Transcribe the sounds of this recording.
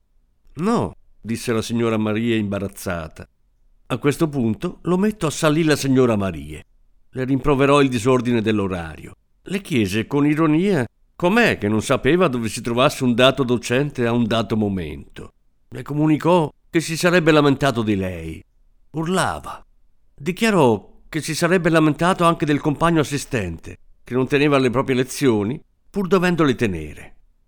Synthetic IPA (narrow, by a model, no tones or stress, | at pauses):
nɔ | d̪isːelasiɲːoːɾamaɾiːeimbaɾat̪sːa̰ːt̪a | akːwest̪opunt̪olomet̪ːoasːalːilasiɲːoːɾamaɾḭːḛ | lerimpɾoveɾɔild̪izord̪ined̪elːoɾa̰ːɾjo̰ | lek̟jɛːzekoniɾoniːa | komɛk̟ːenːonsapeːvad̪ovesit̪ɾovasːeund̪aːt̪od̪ot͡ʃɛnt̪eaund̪aːt̪omomḛnt̪o̰ | lekomunikɔk̟esisaɾɛbːelament̪aːt̪od̪ilɛj | urla̰ːva | d̪ikjaɾɔk̟esːisaɾɛbːelament̪aːt̪oaŋk̟ed̪elkompaɲːoasːist̪ɛnt̪ḛk̟enːont̪eneːvalepɾɔːpɾjelet̪sːjoːni | purd̪ovɛnd̪olet̪enḛːɾḛ